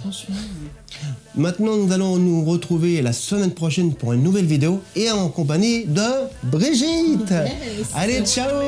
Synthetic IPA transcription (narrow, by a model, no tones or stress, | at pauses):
mɛ̃t̪nɑ̃nuzalɔ̃nuʁət̪χuvelasəmɛnpχɔʃɛnpuʁynːuvɛlvid̪eoeɑ̃kɔ̃p̬aɲid̪əbʁiʒit̪alet͡ʃao